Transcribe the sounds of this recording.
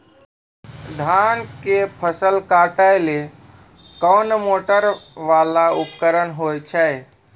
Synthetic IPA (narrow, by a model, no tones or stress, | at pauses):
d̪ʱaːnkepʰəsəlkaʈajle | kɔːnmoːʈəɾʋaːlaupkəɾənɦojt͡ʃʰɛj